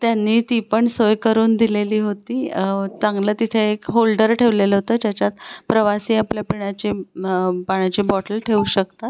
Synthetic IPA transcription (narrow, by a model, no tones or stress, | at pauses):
t̪janːiːt̪ipəɳsojkəɾuːnd̪ileliːɦot̪iːt͡sãŋɡləːt̪it̪ʰeːkɦolɖəɾʈʰeʋleləɦot̪əːt̪jat͡ɕjat̪pɾəʋasiːapljapiɳat͡ɕi | paɳjat͡ɕiːbɔʈəlʈʰeuɕəkt̪at̪